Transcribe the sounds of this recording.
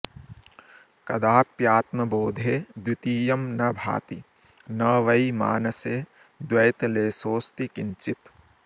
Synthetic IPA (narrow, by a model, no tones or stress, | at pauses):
kɐd̪aːpjaːt̪mɐboːd̪ʱeːd̪wit̪iːjɐmnɐbʱa̰ːt̪i | nɐʋɐjma̰ːnɐseː | d̪wɐjt̪leːsoːst̪ikiɲt͡ʃit̪